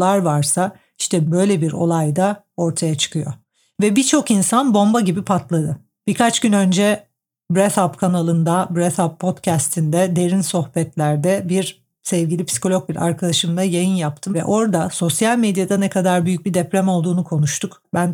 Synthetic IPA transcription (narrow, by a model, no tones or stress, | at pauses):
lˠaɾvaɾsa | iʃt̪ʰɛbø̞jlʲɛbiɾo̞̰lˠajd̪a | o̞ɾt̪ʰajat͡ʃʰɯ̥kʰɯjo̞ | vɛbit͡ʃʰo̞kinsanbo̞mbaɟibipʰat̪lˠad̪ɯ | b̥ikʰat͡ʃɟynø̞nd͡ʒɛ | bɾɛt̪apkʰanalˠɯnd̪abɾɛt̪apʰːo̞t̪cʰɛst̪ʰind̪ɛd̪e̞ɾinso̞xbɛt̪lʲæɾd̪ɛbiɾ | sɛvɟilʲipʰsi̥ko̞lʲo̞k̚biɾʔa̰ɾkʰad̪aʃɯmd̪ˠajajɯnjapt̪ʰɯmvɛ̰ʔo̞ɾd̪aso̞sjalʲmed̪jad̪anɛkʰad̪aɾbyjyc̚bid̪ɛpɾʲɛmo̞lˠd̪uːnukʰo̞nuʃt̪ʰuk | bæn